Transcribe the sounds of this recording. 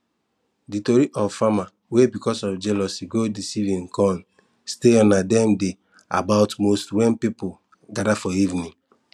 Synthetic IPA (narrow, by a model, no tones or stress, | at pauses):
ditoɾiʔɔffama | webikɔsɔfd͡ʒɛlɔsiɡodisivĩnkɔ̃n | steɔ̃nadɛmde | a̰baʊtmostwɛ̃npipo | ɡadafɔivnĩ